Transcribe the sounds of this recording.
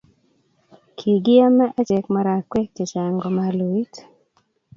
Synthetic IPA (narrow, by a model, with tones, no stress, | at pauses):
kʰi˨ɡɪ˦a˦mɛ˦ʔa˦t͡ʃe˨kma˨ɾa˨kwe˦ke˨t͡ʃa˨ŋɡɔ˨ma˨lu˨i˦t